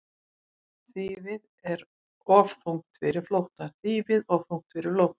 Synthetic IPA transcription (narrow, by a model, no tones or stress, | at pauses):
θiːvɪð | ɛɾ | ɔvθuwŋkt̪fɪɾɪɾ̥flowht̪aθiːvɪðɔvfuŋkt̪fɪɾɪɾ̥flowht̪ḁ